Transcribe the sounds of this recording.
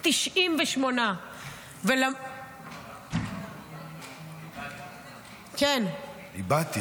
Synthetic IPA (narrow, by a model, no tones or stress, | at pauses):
t̪iʃʔimveʃmona | vela | ken | ibat̪i